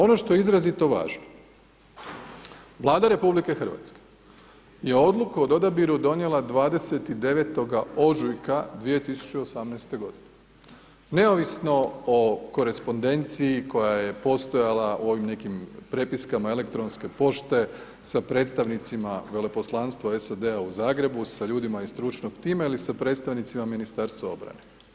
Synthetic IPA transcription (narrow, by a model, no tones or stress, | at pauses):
o̞no̞ʃt̪o̞jeizɾazit̪o̞ʋa̰ːʒno | ʋlˠaːd̪aɾe̞publike̞xr̩ʋa̰t̪ske̥ | je̞o̞d̪lukaod̪o̞d̪abiɾud̪o̞nje̞lˠad̪ʋaːd̪e̞se̞t̪id̪e̞ʋet̪o̞ɡao̞ʒujkad̪ʋijet̪isu̥t͡ɕeosamnɛːst̪e̞ɡo̞d̪ine | ne̞oʋisno̞oko̞ɾe̞spo̞nd̪e̞nt̪siːko̞jaje̞po̞st̪o̞jalauo̞ʋimne̞kimpɾe̞piskamae̞le̞kt̪ɾo̞nske̞po̞ʃt̪e̞ | sapɾe̞t̪st̪aʋnit̪simaʋe̞le̞po̞slˠanst̪ʋaesad̪e̞auzaːɡɾe̞busaʎuːd̪imaist̪ɾut͡ʃno̞ɡt̪iːmailisapɾet̪st̪aʋnit̪simaminist̪aɾst̪ʋao̞̰bɾa̰ne